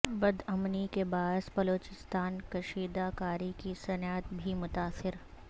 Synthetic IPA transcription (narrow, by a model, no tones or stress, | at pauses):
bɐd̪ɐmnikebaːɪsbɐloːt͡ʃɪst̪aːnkɐʃiːd̪akaːɾikisɐnaːt̪bʱimʊt̪aːsɪɾ